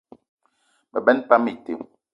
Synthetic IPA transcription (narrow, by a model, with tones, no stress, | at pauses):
bɛ˨bɛ˦npa˦mi˦˨tḛ˨m